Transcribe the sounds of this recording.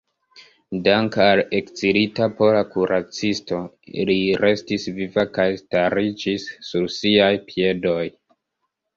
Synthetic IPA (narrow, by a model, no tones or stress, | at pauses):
daŋkale̞kt͡siɾitapolakuɾʔat͡sisto̞ | liɾe̞stisvivakajstaɾid͡ʒisːuɾsiajpie̞do̞j